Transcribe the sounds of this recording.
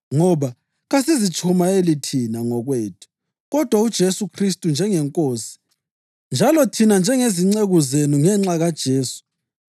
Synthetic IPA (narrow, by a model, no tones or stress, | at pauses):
ŋɔβa | ɣasizit͡ʃʰʼumaelitʰinaŋɔɣweːtʰu̥ | ɣɔd̥ʱwaud̥ʒ̥ʱesukʰristʼund͡ʒʱɛŋɛŋkʼoːsi̥ | nd͡ʒʱalɔtʰinand͡ʒʱɛŋeziŋ͡ǀeɣuzenuŋɛŋ͡ǁaɣad̥ʒ̥ʱeːsu̥